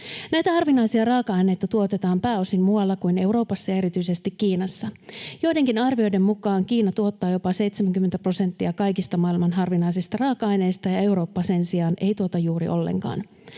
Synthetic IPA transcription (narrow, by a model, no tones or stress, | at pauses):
næjt̪æhɑrʋinɑjsiɑrɑːkɑɑjne̞jt̪ɑt̪uo̞t̪et̪ɑːmpæːo̞simmuɑlːɑkujne̞wɾo̞ːpɑsːɑjɑe̞ɾit̪yjse̞st̪ikːiːnɑsːɑjo̞jde̞ŋkinɑrʋio̞jde̞mmukɑːŋkiːnɑt̪uo̞t̪ːɑːjo̞pɑse̞jt̪semæŋkymːent̪æpro̞se̞nt̪ːiɑkɑjkist̪ɑmɑːilmɑnɦɑrʋinɑisist̪ɑrɑːkɑɑjne̞jst̪ɑjɑe̞wɾo̞ːpːɑse̞nsiɑːne̞jt̪uo̞t̪ɑjuːɾḭʔo̞̰lːḛŋkɑ̰ːn